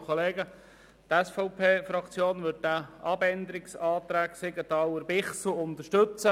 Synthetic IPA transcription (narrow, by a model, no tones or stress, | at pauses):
kʰoleːɡə | t̪ɛsfɔʊpʰeːfɾɑkt͡sjoːnʋʏt̚dæɑbɛnd̪əɾɪksɑːt̪ɾæːksɪɡət̪ɑwəɾbɪχsuʊnt̪əʃtɵt͡sə